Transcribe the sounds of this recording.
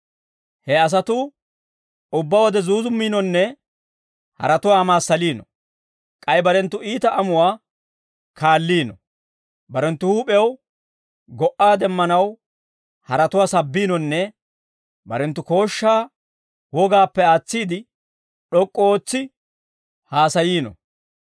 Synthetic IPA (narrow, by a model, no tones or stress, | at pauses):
hɛɐs̬ɐt̪ʊ | ʊbːawɔd̪ɛzuːzʊmːiːnɔnːɛ | hɐ̰ɾɐt̪ʊwaːmaːsːɐliːnɔ̰ | kʼɐjbɐɾɛnt̪ːʊiːt̪ɐʔɐmʊwaː | kʰaːlːiːnɔ̰ | bɐɾɛnt̪ːʊhuːpʼɛw | ɡɔʔaːd̪ɛmːɐnɐw | hɐɾɐt̪ʊwaːsɐbːiːnɔnːɛ | bɐɾɛnt̪ːʊko̞ːʃːaː | wɔɡaːpːɛaːt͡sːiːd̪ɪ | ɗɔkʼːɔoːt͡sːɪ | haːsɐjiːnɔ̰